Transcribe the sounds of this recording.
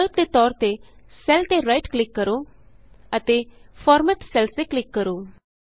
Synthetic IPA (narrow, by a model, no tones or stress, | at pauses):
əlp̚d̪et̪ɔːɾt̪esɛlt̪eɾaɪʈklɪkːəɾo | ət̪efʰɔːɾməʈsɛlst̪eklɪkːəɾoː